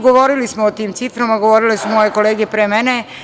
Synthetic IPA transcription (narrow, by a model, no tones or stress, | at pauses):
ɡoʋo̞ːɾilismoːt̪iːmt̪sit̪ɾomaɡoʋoːɾilesumojeko̞leːɡepɾemene